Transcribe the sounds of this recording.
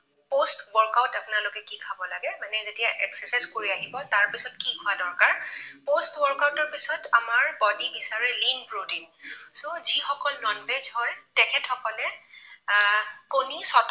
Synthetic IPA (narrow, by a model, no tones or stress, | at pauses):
postwɔɹkaʊtapʊnalokɛkikʰabɔlaɡɛmanɛzetijaʔɛksɛsajzkoɹiaɦibɔtaɹpisɔtkikʰʊadɔɹkaɹpostwɔɹkawtɔɹpisɔtamaɹbɔdibisaɹilinbɹodinsozixɔkɔlnɔnbed͡ʒhɔjtɛkʰɛtʰɔkɔlɛ | konisɔt